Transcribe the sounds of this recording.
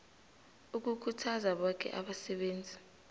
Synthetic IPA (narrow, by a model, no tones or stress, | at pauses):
uk̬ukʰutʰazaɓɔk̬ʰʼɛ̰ʔaɓasɛɓeːnd͡zʱi